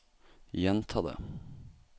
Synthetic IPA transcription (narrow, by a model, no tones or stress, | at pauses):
jɛnt̪ʰɑːd̪ə̰